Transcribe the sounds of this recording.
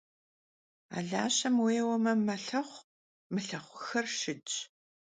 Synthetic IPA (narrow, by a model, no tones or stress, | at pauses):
a̰ːɮa̰ːɕɐmweːwɐmɐmɐɬɐχʷ | mɨɬɐχʷʊxɐrʂɨt͡ʃʼ